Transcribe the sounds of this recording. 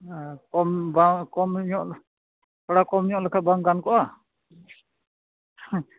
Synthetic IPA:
kɔmbaŋkɔmɲɔʔ | kɔɽakɔmɲɔʔlɛkʰat̪̚baŋɡankɔʔa

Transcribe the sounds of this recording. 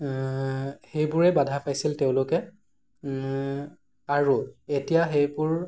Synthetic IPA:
xejbʊɹɛbadʱapajsilteʊ̃lʊkɛ | aɹuetijaxejbʊɹ

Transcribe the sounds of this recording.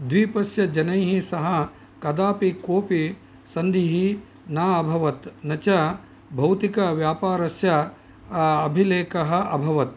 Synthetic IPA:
d̪ʋiːpɐsjɐd͡ʒɐnɐjɦisɐɦɐ | kɐd̪aːpikoːpi | sɐnd̪ʱiɦi | naːɐbʱɐʋɐt̪nɐt͡ʃɐ | bʱɐwt̪ikɐʋjaːpaːɾɐsjɐː | bʱileːkɐɦɐ̆ʔɐbʱɐʋɐt̪

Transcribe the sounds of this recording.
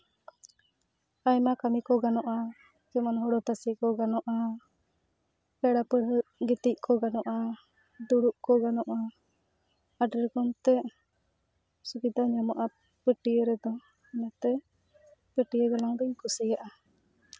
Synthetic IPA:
ajmakamikɔɡanɔʔa | d͡ʒɛmanɦɔɽɔt̪asikɔɡanɔʔa | pɛɽapəɽɡit̪ic̚kɔɡanɔʔa | d̪uɽuʔkɔɡanɔʔa | aɖəɾɡɔmt̪ɛ | subid̪aɲamaʔa | pəʈijəɾɛd̪ɔ | ɛnat̪ɛ | pəʈijəɡalaŋd̪ɔɲkusijaʔa

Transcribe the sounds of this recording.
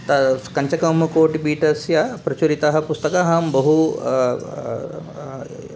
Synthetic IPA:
t̪ɐkɐɲt͡ʃɐkɐmɐkoːʈibiːʈɐsjɐpɾɐt͡ʃuɾit̪ɐɦɐ̆pust̪ɐkaːɦɐmbɐɦu

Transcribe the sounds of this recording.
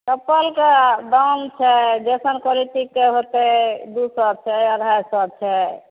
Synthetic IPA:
kəpːəlkeɖawnt͡ʃʰɛd͡ʒɛsənkɔliʈ̪ikːeɦot̪ed̪usɔb̚t͡ʃʰɛəɾɦajsɔb̚t͡ʃʰɛ

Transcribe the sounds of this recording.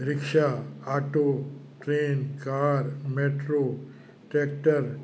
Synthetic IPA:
ɾɪkʃaaʈoː | ʈɾeːnkaːɾmeːʈɾoː | ʈeːk̚ʈəɾ

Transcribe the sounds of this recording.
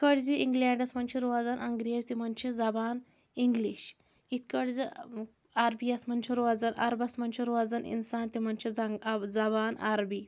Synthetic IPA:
ikəɽd͡ziʔiŋɡlaɳɖɐsmɐnt͡ʃʰiɾoad͡zanʔɐŋɡɾeːzt̪im̤ənt͡ʃʰid͡zabaːn | iŋɡliɕ | it̪kəɽd͡zi | aɾbiɐsmɐnt͡ʃʰiɾoad͡zana̰ɾbɐsmɐnt͡ʃʰiɾoʋad͡zanḭnsaːnt̪im̤ɐnt͡ʃʰiad͡zabaːna̰ɾbiː

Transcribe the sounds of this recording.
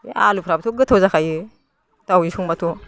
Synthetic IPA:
alupʰɾabt̪ʰuɡɯtʰawzakʰajɯ | tawisuŋbatʰu

